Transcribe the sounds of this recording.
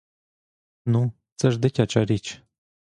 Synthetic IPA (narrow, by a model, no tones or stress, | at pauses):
nu | t͡səʒd̪ɛkʲʰɑt͡ʃʼɑɾit͡ʃʰ